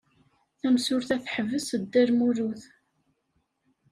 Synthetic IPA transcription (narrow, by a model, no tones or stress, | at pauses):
θæmsʊɾθæθħəvːəsəd̪ːæɾmuɾuθ